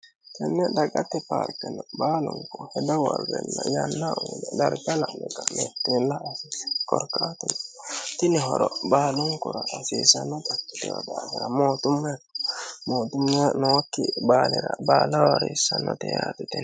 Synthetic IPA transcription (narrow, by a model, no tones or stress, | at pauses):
kɛnːɛd̪ɐɡʼɐt̪ːɛpa̰ːɾkɛnɔbaːlʊŋkɔhɛd̪ɐwɐɾɡɛnːajanːaʔuːd̪ɛd̪ɐɾɡɐlaʔnɛkɐmet̪ːɾɛlːaːsiskɔɾkaːt̪ʊnt̪ɪnɪɦɔɾɔbaːlʊŋkʊɾɐʔːsiːsɐnːɔt̪ʼɐkːɪ̥t̪ɛwɔd̪aːhɪɾɐmoːt̪ʊmːjakmoːt̪ʊmːjanɔwakːɪbaːlɪɾɐbaːlɐwɐɾeːsːɐnːɔt̪ɛjaːt̪ɪt̪ɛn